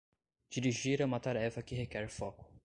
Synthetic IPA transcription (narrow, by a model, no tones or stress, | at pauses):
d͡ʒiɾiʒiɾɐmat̪aɾɛfɐkiɦekɛɾfɔkʊ̥